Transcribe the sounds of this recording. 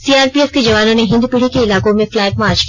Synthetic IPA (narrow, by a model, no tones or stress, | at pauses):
siːaːɾpiːɛsked͡ʑɐʋaːnoneɦɪ̃nd̪pɪɽ̤ikeɪlaːkõmẽflɛːp̚maːɾt͡ʃk